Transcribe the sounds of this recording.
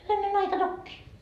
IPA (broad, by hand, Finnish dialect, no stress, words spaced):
hyʋænen ɑikɑ tokːiː